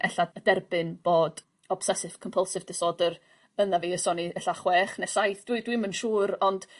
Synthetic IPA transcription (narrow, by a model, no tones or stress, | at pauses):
ʔɛ̰ɬaədɛrbɪnb̥oːd | ɔb̥sɛsɪv̥kʰɔmpʰəlˠsɪvdɪsɔːdər | ənðaviːəsɔniɛɬaχwɛːχnɛsajθd̥widwimənʃuːɾɔnd̥